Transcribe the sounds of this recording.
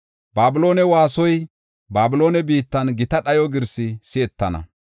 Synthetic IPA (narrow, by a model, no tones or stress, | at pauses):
baːbɪlo̞ːnɛwaːsɔj | baːbɪlo̞ːnɛbiːt̪ːɐnɡɪt̪ɐɗɐjɔɡɪɾsɪsɪɛt̪ːɐnɐ̰